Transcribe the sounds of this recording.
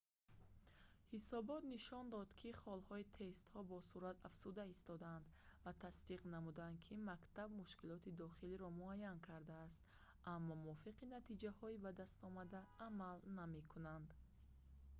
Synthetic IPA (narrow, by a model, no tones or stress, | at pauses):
hisɔbɔt̪niʃɔnd̪ɔd̪kʰiχɔlhɔit̪ʰe̞st̪hɔbɔsuɾat̪afz̥ud̪aist̪ɔd̪aand̪vat̪ʰasd̪iqnamud̪and̪kʰimakt̪ʰab̚muʃkilɔt̪ʰid̪ɔχiliɾɔmuajːankʰaɾd̪aːst̪ | amːɔmuɔfiqinat̪ʰid͡ʒahɔibad̪ast̪ɔmad̪aːmalname̞kʰunand̪